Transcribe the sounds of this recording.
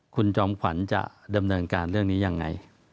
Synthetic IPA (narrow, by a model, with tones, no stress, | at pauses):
kʰu˧nt͡ɕɔː˦˥mkʰwa˩˦nt͡ɕa̰˨˩ʔda˧mnɤː˧nkaː˧nɾɯ˥˩əŋniː˦˥ja˧ŋːa̰˧j